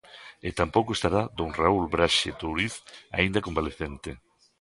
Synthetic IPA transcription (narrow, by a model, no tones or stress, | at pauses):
et̪ampowkoest̪aɾad̪oŋraulbɾaʃet̪oɾiθa̰ind̪akombaleθent̪ɪ